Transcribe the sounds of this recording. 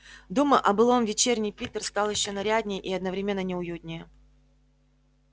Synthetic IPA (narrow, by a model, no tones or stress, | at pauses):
d̪uməʔɐbɨlˠo̞mvʲɪt͡ɕernʲɪjpʲit̪ərst̪ɑlˠjɪɕːonɐɾʲadʲnʲɪjʔiɐd̪nəvɾʲɪmʲe̞nːənʲɪʊjud̪ʲnʲɪjə